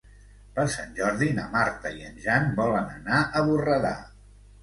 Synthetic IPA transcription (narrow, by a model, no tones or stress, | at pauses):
pəɾsa̰nʲʒɔɾðinə̰maɾt̪əiənʒanbɔlənənaʔəβurəða̰